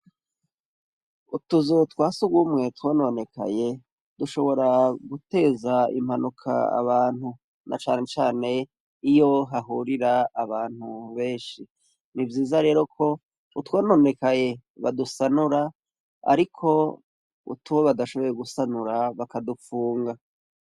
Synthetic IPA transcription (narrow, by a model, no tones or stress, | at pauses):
utuzutwaːsuɡwuːmŋe̞twonone̞kʰa̰je̞ | duʃo̞βo̞ɾaɡute̞ːzaḭm̥hanukʰa̰a̰βaːn̥hu | na̰t͡ʃa̰ːne̞t͡ʃaːne̞ | ijo̞ɦaɦuɾiɾaːβaːn̥huβe̞ːnʃi | nivjiːzaɾe̞ːɾo̞kʰo̞ | utwoːnone̞kaje̞ | βa̰dusanuɾa | a̰ɾikʰo̞ | ṵtʰuwoβadaʃo̞βo̞jeɡusanuɾaβakadufuːŋɡa